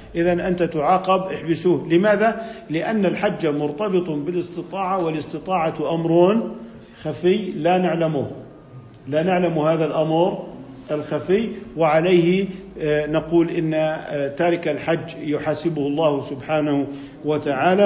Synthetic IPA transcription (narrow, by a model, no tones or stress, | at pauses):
ʔɪðanʔant̪at̪ʊʕɑːqɑbʔɪħbɪsuːhlɪmaːðalɪʔanːalħad͡ʒːamʊɾt̪abɨt̪ˤbɪlɪst̪ɨt̪ˤɑːʕawɪlɪsˤt̪ɨt̪ˤɑːʕɑʔamɾˤoːn | xafɪjːlanaʕlamuh | lanaʕlamuhaːðalʔamɾʔalxafɪjːwɪʕaleːhɪ | naquːlʔɪnːat̪aːɾɪkalħad͡ʒːjʊħaːsɪbʊhlˤːɑːhsʊbħaːnah | wat̪aʕaːla